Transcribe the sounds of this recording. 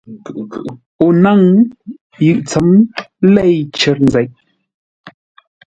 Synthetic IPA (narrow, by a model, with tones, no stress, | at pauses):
o˨na˦˨ŋ | jɯ˨ʔt͡sə˨˦m˦lɛ˦˨jt͡ʃə˨˦ɾn̩˨d͡zɛ˨˦ʔ̚